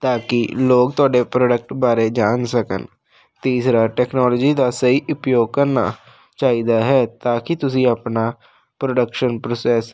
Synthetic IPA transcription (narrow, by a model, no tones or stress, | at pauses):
t̪aːkɪloːk̚t̪ʊaːɖeːpɾoːɖək̚ʈbaːɾeːd͡ʒaːnsəkə̰n | t̪iːsɾaːʈɛːknɔːlɔːd͡ʒiːd̪aːsəiːʔʊpjoːɡ̚kəɾna̰ː | t͡ʃaːid̪aːɦɛːt̪aːkɪt̪ʊs̬ĩːəpnaː | pɾoːɖəkʃənpɾoːsɛːs